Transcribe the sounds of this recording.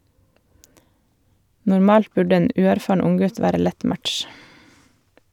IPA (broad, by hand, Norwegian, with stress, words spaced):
nʊɾˈmɑːlt ˈbʉɖə ˈeːn ˈʉːæɾˌfɑːɳ ˈʊŋˌɡʉt ˈʋæːɾə ˈlɛt ˈmætʃ